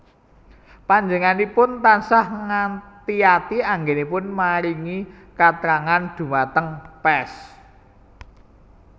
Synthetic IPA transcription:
paɲd͡ʒəŋanipʊnt̪ansahŋat̪iat̪iaŋɡenipʊnmaɾiŋi | kat̪ɾaŋand̪̥ṳmat̪əŋpɛs

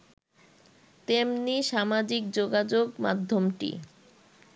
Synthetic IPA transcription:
t̪emniʃamad͡ʑik̚d͡ʑoɡad͡ʑoɡma̰d̪ʱːomʈḭ

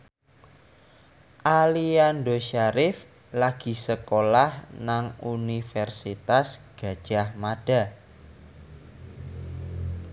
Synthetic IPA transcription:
ʔalianɖoʃaɾɪf | laɡ̥i̤səkolahnaŋunifɛrsit̪asɡ̥a̤d̥ʒ̥ahmaɖ̥a̤

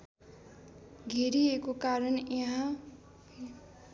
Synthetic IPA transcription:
ɡʱeɾiekokaɾʌnjeɦã

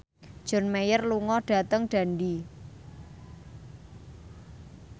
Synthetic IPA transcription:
d̥ʒ̥ɔ̤nmejərluŋɔɖ̥ä̤t̪əŋɖ̥ä̤nɖi

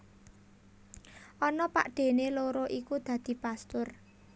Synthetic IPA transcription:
ʔɔnɔpa̰ʔɖ̪̥e̤neloɾoʔikud̪̥ä̤d̪̥i̤past̪ʊr

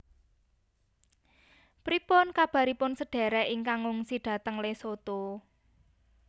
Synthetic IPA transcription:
pɾipʊnkab̥a̤ɾipʊnsəɖ̥ɛ̤ɾɛʔɪŋkaŋʊŋsiɖ̥ä̤t̪əŋlesot̪o

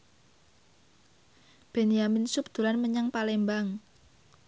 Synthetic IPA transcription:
b̥enijaminsup̚d̪̥ṳlanməɲaŋpalɛmbaŋ

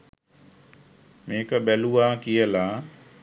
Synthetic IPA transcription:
meːkaɓeluːaːkijəlaː

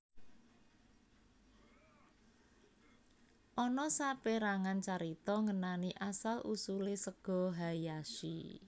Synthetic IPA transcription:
ʔɔnɔsapeɾaŋant͡ʃaɾit̪ɔŋənaniʔasalʔusulesəɡ̥ɔ̤ɦajaʃḭ

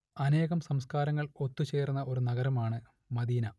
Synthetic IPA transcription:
ɐne̞ːɣɐmsɐmskaːɾɐŋːɐɭo̞t̪ːut͡ɕe̞ːrunːɐʔo̞ɾunɐɣɐɾɐmaːɳɨ | mɐd̪iːnɐ

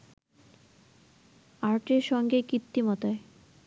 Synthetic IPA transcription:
aɾʈeɾʃɔŋɡekɾit̪ːimɔt̪oe

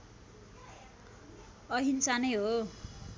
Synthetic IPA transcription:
ʌɦint͡sanʌjɦo

